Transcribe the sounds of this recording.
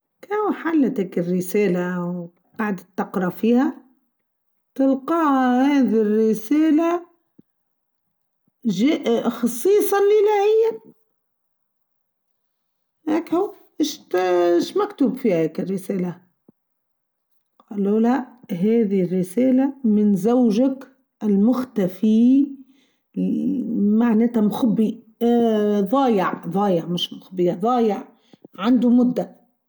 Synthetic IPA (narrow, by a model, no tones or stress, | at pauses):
kawħalːat̪akɪrːɪseːlaw | qɑʕd̪at̪ːɑqɾˤɑfiːha | t̪ɪlqɑːhahaːðirːɪseːla | ʒeʔxɑsˤːiːsˤɑlʔɪlaːhɪjːan | heːkhu | ʔɪʃt̪ɪʃmakt̪uːbfiːhaeːkɪrːɪseːla | qɑːlːoːlaʔɦeːðirːɪseːlamɪnzawʒak | ɪlmʊxt̪afi | maʕneːt̪amxʊbːi | ðˤɑːjɪʕðˤɑːjɪʕmɪʃmʊxbɪjaðˤɑːjɪʕ | ʕand̪umʊd̪ːa